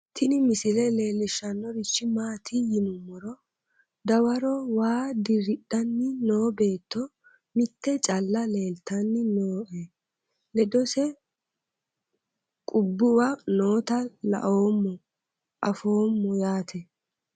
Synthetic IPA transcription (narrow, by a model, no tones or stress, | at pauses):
t̪ʰɪnɪmɪsɪlɛle̞ːlɪʃːɐnːɔɾɪt͡ʃːɪmaːt̪ʰijɪnʊmːɔɾɔ | d̪ɐwɐɾɔwaːd̪ɪɾɪɗːɐnːɪnoːbe̞ːt̪ːɔ | mɪt̪ːɛt͡ʃʼɐlːɐle̞ːlt̪ɐnːɪnoːʔɛ | lɛd̪ɔsɛ | kʼʊbːʊwɐnoːt̪ɐlɐ̰ʔoːmːɔ | ʔɐfo̞ːmːɔjaːt̪ʰɛ